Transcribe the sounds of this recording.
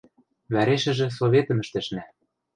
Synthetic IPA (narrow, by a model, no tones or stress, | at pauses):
βæɾeʃɘ̆ʒĕs̬oβʲet̪ə̆mɘ̆ʃt̪ɘ̆ʃnæ